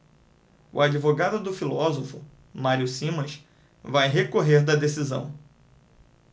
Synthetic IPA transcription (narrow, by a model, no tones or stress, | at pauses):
ṵad͡ʒivoɡad̪ʊd̪ʊfilɔzofʊ | maɾiʊsĩmɐ̃ʃ | vajɦekoɦeɾd̪ɐd̪esizɐ̰̃w̃